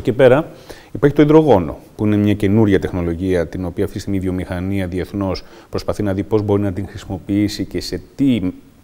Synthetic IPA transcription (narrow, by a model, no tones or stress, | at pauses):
ce̞pe̞ɾɐ | ipɐɾçit̪oiðɾo̞ɣo̞no̞̰puine̞mɲɐce̞nuɾʝɐt̪exno̞lo̞ʝiɐt̪ino̞piɐft̪ist̪imiðjo̞mixɐniɐðie̞θno̞s | pɾo̞spɐθinɐðipo̞zbo̞ɾinɐt̪iŋxɾisimo̞piisice̞se̞t̪i